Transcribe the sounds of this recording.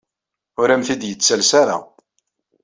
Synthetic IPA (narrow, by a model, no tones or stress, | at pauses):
ʊɾæmθid̪jət͡sːælsaɾa̰